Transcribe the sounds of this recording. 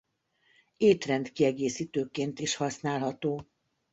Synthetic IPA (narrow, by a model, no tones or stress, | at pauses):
eːt̪rɛndt̪kiɛɡeːsiːt̪øːkeːnt̪iʃhɒsnaːlɦɒt̪oː